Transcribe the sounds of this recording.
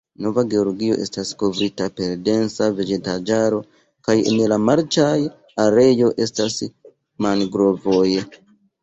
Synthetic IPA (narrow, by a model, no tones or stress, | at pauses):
no̞vaɡe̞oɾɡio̞ʔe̞stasko̞vɾitape̞ɾde̞nt͡save̞d͡ʒe̞tad͡ʒaɾo̞ | kajḛnlamaɾt͡ʃaj | aɾe̞jo̞ʔe̞stas | manɡɾo̞voj